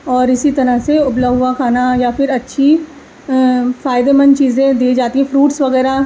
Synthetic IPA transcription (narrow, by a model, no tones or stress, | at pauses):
ɔːɾɪsit̪ɐɾəɦseʊblaʋɦʊakʰaːnajafɪɾɐtːʃʰi | faːɪd̪emə̃nt͡ʃiːzẽd̪iːed͡ʒaːt̪iɦɛ̃fɾuːʈsʋɐɣɛːɾa